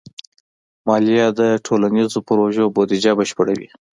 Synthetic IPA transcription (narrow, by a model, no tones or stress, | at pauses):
mɑlijɑd̪əʈʰolanizopɾoʒobod̪id͡ʒabəʃpəɽawḭ